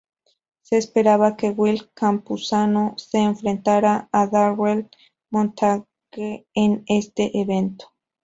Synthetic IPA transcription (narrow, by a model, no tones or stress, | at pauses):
se̞ːspe̞ɾaβake̞ɣwilkampusanose̞ːɱfɾe̞nt̪aɾaːðawwel | mõnt̪ʰa | ɣeːne̞st̪e̞ʔeβe̞nt̪o̥